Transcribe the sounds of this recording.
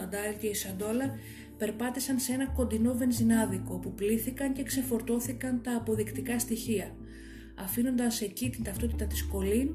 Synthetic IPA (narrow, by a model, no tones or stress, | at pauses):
ɐnd̪ɐlce̞isɐnd̪o̞lɐ | pe̞ɾpɐt̪isɐnsee̞nɐko̞nd̪ino̞ve̞nzinɐðiko̞pupliθikɐɲce̞kse̞fo̞ɾt̪o̞θikɐnt̪ɐːpo̞ðikt̪ikɐst̪içiɐ | ɐfino̞nd̪ɐse̞cit̪int̪ɐft̪o̞t̪it̪ɐt̪isko̞lin